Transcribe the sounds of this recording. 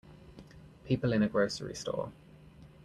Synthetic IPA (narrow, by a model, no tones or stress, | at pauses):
pʰiˑpəlɪ̃ñəɡɹəʊsə̰ɹḭstɔ̰ː